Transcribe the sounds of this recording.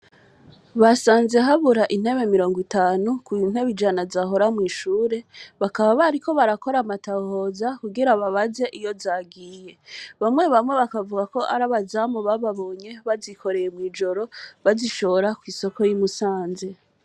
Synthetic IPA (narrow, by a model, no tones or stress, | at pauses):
βasaːnze̞ɦaβuɾaʔin̥he̞βe̞miɾo̞ːŋɡwitaːnukujin̥he̞βid͡ʒanazaɦo̞ɾamŋiːʃuːɾe̞βakaβaβaɾikʰo̞βaɾako̞ɾamataho̞ːzakuɡiɾaβaβaze̞ʔijo̞zaːɡiːje̞βamŋe̞βamŋe̞βakavuɡako̞ʔaɾaβazamoβaβaβo̞ːɲe̞βazikʰo̞ɾe̞jemŋiːd͡ʒo̞ɾo̞βaziʃo̞ɾakwiːso̞ko̞jimusaːnze̞